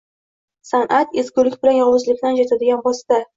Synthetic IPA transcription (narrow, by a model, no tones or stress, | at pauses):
sanʔat̪ezkʲʊlɪkʲbɪlanjɒwʊzlɪkʲnand͡ʒat̪ʰad̪ɪɡʲanbɒst̪a